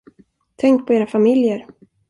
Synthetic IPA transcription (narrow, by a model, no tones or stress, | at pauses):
t̪ʰɛŋk̚pʰɔeːɾafamɪljəɾ